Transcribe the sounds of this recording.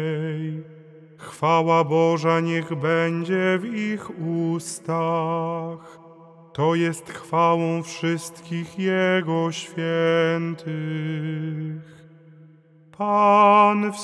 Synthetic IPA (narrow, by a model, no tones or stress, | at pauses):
j | xfawabɔʐaɲɛɣbɛɲd͡ʑɛvixust̪a | x | t̪ɔjɛst̪xfawɔ̃w̃fʂɘst̪kʲixjɛɡɔɕfʲjɛnt̪ʰɘ | x | pʰanf